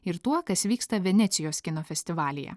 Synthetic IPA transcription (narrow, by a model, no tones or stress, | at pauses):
ɪɾt̪uɔkɐsʋʲiːkst̪ɐʋʲɛnʲɛt̪sʲɪjoːskʲɪnoːfʲɛsʲt̪ʲɪʋɑːlʲɪjɛ̰